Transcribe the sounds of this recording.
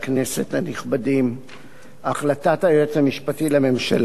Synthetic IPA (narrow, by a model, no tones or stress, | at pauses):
knese̞thaniχbadim | aχlatataeet͡shamiʃpatilame̞mʃal